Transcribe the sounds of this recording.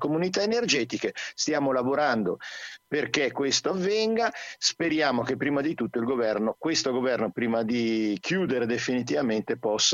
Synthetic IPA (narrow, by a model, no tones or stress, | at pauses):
komunit̪aenerd͡ʒɛːt̪ikest̪jaːmolavoɾand̪operkekːwest̪oavːɛŋɡaspeɾjaːmok̟epːɾiːmad̪it̪ut̪ːoilɡovɛrnokwest̪oɡovɛrnopɾiːmad̪ikʰjuːd̪eɾed̪efinit̪̬ivament̪epɔsː